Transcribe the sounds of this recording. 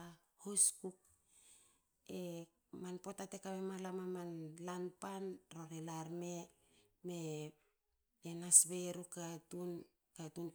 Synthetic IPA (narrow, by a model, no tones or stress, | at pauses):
hoskuk̚ | e | manpo̞tate̞kaβemalamamanlanpanroɾelaɾme | me̞ | enasβeɾukatun | katun